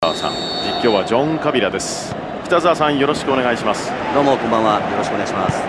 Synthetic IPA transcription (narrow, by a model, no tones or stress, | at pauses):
a̰sã̰ŋ | ikʲːo̞ːβad͡ʑõ̞ŋkabʲiɾad̪e̞sɨ̥ | ɸɯ̟t̪azɨasãɰ̃jo̞ɾo̞ɕi̥kɯone̞ɡaiɕimasɨ̥ | d̪o̞ːmokõmbãajo̞ɾo̞ɕikɯoneaiɕimas